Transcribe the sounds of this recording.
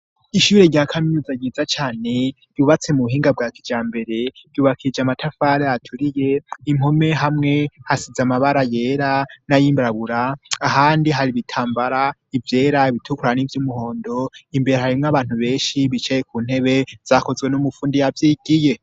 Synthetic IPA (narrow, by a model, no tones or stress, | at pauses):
iʃuɾe̞ɾɟaːkʰaminuzaɡiːzat͡ʃaːne̞ | juβat͡se̞muuɦiːŋɡab̚ɡaːkid͡ʒaːmbe̞ɾe̞̥juːβakʰid͡ʒamatʰafaːɾeatʰuɾije̞im̥o̞me̞ɦamŋe̞hasizamaβaɾaje̞ːɾanajimbɾaβuɾaːɦaːndiɦaɾiβitʰaːmbaɾaivje̞ːɾaiβitʰukuɾanivjumuho̞ːndo̞imbe̞ɾehaɾimŋaβaːn̥uβe̞ːnʃiβit͡ʃejekuːn̥he̞βe̞z̥ako̞zɡwe̞numufuːndijavjiːɡije̞